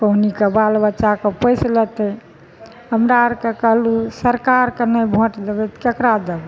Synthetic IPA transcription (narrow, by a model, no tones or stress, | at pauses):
kəɦnikebalbətːʃakepəjslət̪ɛ | ɦəmɾaɾkekəɦlusəɾkaɾkenəjbʱõʈd̪ebɛt̪kekɾad̪ebɛ